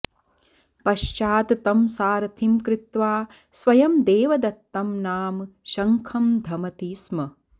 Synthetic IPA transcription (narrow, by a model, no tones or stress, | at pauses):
pɐʃt͡ʃaːt̪t̪ɐmsaːɾɐt̪ʰimkɾɪt̪ʋaː | sʋɐjɐmd̪eːʋɐd̪ɐt̪ːɐmnaːmʃɐŋkʰɐmd̪ʱɐmɐt̪iːsmɐ